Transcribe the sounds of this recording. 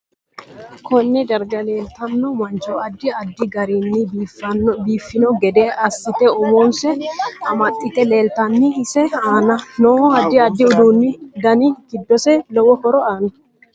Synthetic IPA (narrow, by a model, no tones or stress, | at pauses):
kɔnːɛd̪ɐɾd͡ʒɐle̞ːlt̪ɐnːɔmɐnt͡ʃɔɐd̪ːɪɐd̪ːɪɡɐɾiːnːɪbifɐbiːfːɪnɔɡɛd̪eːɐsːɪt̪ɛɔmoːnsɛɐmɐt̪ʼːɪt̪ɛle̞ːlt̪ɐnːɪɪsɛaːnɐnɔɐd̪ːɪɐd̪ːɪʊd̪uːnːɪd̪ɐnɪɡɪd̪ːɔsɛlɔwɔhɔɾɔaːnɐ